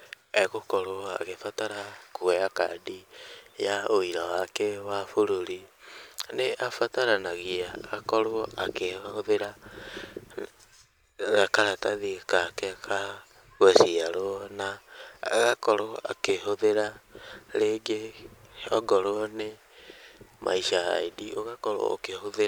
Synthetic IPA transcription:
ɛɣokɔɾoa̰ɣefataɾakoɛakadijaoiɾɔwakɛwafoɾoɾi | neʔafataɾanaɣiaɣakɔɾoakehoðeɾa | ɣakaɾataðikakɛkʰa | ɣɛsiaɾoɔnaɣakɔɾoa̰keɦoðeɾaɾeɡe | ɔɡɔɾoɔne | mʔa̰iʃaɣa̰idioɣakɔɾo̰o̰kehoðe

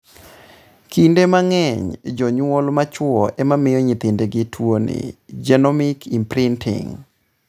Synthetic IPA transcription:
kʰindemaŋɛɲd͡ʒɔɲwɔlmat͡ʃwɔʔɛmamɪjɔɲɪt̪ɪndeɡɪtʰwonɪ̰d͡ʒɛnɔmikʰimpɾɪntʰɪ̰ŋ

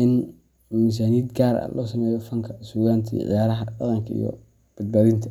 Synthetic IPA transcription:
ɪn | mɪs̬aːniːd̪ɡaːɾɐ̰lʔɔːsɐmɛːjɔfɐŋkʰɐsuːɣaːnt̪ʰḭːʕɪ̰jaːɾɐɦɐdɑ̰qɑŋkʰɐḭjɔ̰ | b̥ɐd̪̚baːðɪnt̪ʰɐ

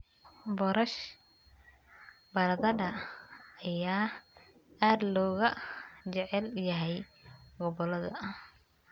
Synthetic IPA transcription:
bɔɾɐʃ | bɐɾɐðɐdɐː | jaː | aːd̪lɔːɣɐt͡ʃɛʕɛljɐɦɛjɡɔβɔlɐðɐ̰

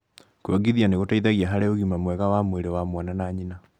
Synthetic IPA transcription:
kwaɡiðianeɣotaiðaɣiaɦaɾeoɣimamwɛɣawamweɾewamwananaɲina

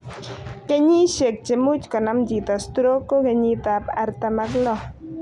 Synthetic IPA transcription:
keɲiʃek̚t͡ʃemut͡ʃkanamd͡ʒit̪ast̪ɾokokeɲit̪apaɾt̪amaklo

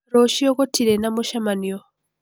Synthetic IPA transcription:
ɾoʃiokotiɾenamuʃamanio

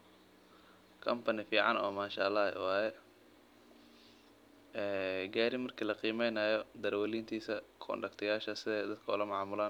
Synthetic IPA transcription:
kʰɐmpʰɐnɪfiːʕɑnɔːmaːʃa̰ːlɑ̰ːwɑːjɛ | ɛːɡaːɾɪmɐrkʰilɐqiːmɛjnaːjɔd̪ɐɾwɐliːnt̪ʰiːsɐkʰɔ̰nɖɐkt̪ʰɪjaːʃɐsɪðɛjd̪ɐd̪kʰɐʊ̰lɐmɑʕmʊlaːn

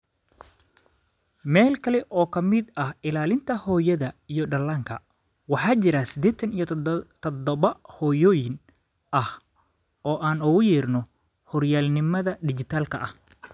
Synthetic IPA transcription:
mɛːlkʰɐlɛʔɔːkʰɐmɪd̪ɐhɪlaːlɪnt̪ʰɐhɔːjɐðɐijɔɖɐlaːŋkʰɐ | wɑħɑːt͡ʃɪɾasɪd̪ɛːt̪ʰɐnijɔt̪ʰɔd̪ɔβɐhɔːjɔːjɪn | ʔɐh | ɔːʔaːnʊɣʊjɛːrnɔ | hɔrjaːlnɪmɐðɐɖɪt͡ʃɪt̪ʰaːlkʰɐʔɐh

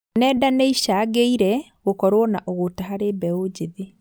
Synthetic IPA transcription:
nɛːdaneiʃaɣeiɾɛ | ɣokɔɾwɔnaʔɔɣotaɦaɾebɛod͡ʑeðe

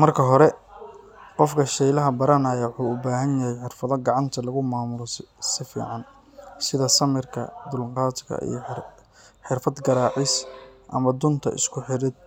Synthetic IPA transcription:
mɐrkʰɐɦɔɾɛ | qɔfkʰɐʃɛjlɐɦɐbɐɾɐnaːjɐwħuːʊbaːɦɐnjɐɦɛjħɪrfɐðɐɡɑʕɑnt̪ʰɐlɐɣʊmaːmʊssɪfḭːʕɑn | sɪðɐsɐmɪrkʰɐ̰d̪ʊlqɑːt̪ɡɐ̰ʔḭj | ħɪrfɐd̪ɡɐɾaːʕɪsʔɐ̰mɐd̪ʊnt̪ʰɐ̰ʔɪ̰skʰʊħɪɾɪd̪̚

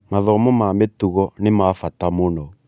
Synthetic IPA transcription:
maðɔmɔmametuɣɔnemafatamonɔ

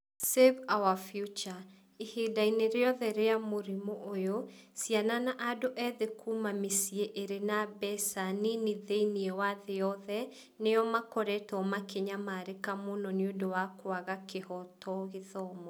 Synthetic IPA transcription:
sevawafjut͡ʃa | ihedaineɾeɔðɛɾeamoɾimoʔojosiananaʔadoʔɛðekʰumamisieʔeɾenabɛsaniniðeiniɛwaðeɔðɛ | nejɔmakɔɾɛtɔmakeɲamaːɾekamonɔniodowakwaɣakehɔtɔɣeðɔmɔ

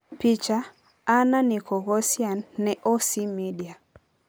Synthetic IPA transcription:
pit͡ʃaː | nanikɔɣɔsjanːɛʔosimidia

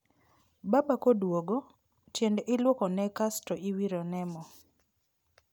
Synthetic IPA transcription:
babakodwoɡo | t͡ʃjendɪlwokɔnɛkastɔiwiɾonɛmɔ

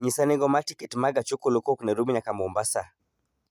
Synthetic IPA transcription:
ɲisanɛɡɔmatikɛtmaɡat͡ʃokolokɔknɛɾumiɲakamɔmbasa

